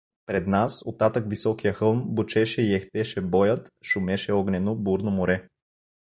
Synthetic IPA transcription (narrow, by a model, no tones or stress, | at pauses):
pɾɛd̪nasot̪ːat̪əkvisɔkijəxɤlˠmbʊt͡ʃɛʃɛiɛxt̪ɛʃɛbɔjət̪ʃumɛʃɛɔɡnɛnobuɾnomoɾɛ